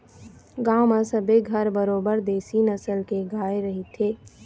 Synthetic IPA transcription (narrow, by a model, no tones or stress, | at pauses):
ɡaːmasəbeɡʱɐɾbəɾoːbəɾd̪eːsinɐsəlkeɡʱaːeɾɐɦit̪ʰeː